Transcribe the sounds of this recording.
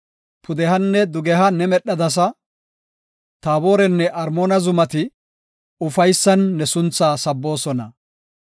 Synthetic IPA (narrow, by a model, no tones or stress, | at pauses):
pʊd̪ɛhɐnːɛd̪ʊɡɛɦɐnɛmɛɗːɐd̪ɐs̬ɐ | t̪aːbo̞ːɾɛnːɛʔɐɾmoːnɐzʊmɐt̪ɪ | ʊfɐjsːɐnːɛsʊnt͡sːaːsɐbːo̞ːsɔnɐ